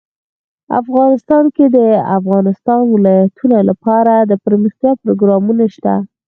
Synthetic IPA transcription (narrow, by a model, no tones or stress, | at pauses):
a̰fɣɑnɪst̪ɑnked̪əa̰fɣɑnɪst̪ɑnwɪlɑjat̪ʰunolapɑɾad̪əpəɾməxt̪jɑpɾoɡɾɑmunaʃt̪a̰